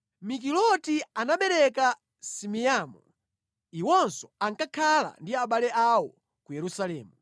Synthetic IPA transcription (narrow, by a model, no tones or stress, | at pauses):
mik̬ilɔtianaɓɛɾɛka | simiaːmṵ | iwɔnsɔ̥aŋkakʰala̰ndiaɓalɛʔawɔ | kujɛɾusalɛːmu